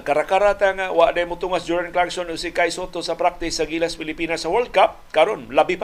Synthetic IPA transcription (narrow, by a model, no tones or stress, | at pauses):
kɐɾakaɾat̪aŋawaʔd̪ajmʊt̪uŋasd̪uɾɪŋklaŋsonʊɡsikajsot̪osɐpɾak̚t̪ɪsːɐɡilaspɪlɪpiːnasɐwɛld̪̚kap̚kɐɾonlabip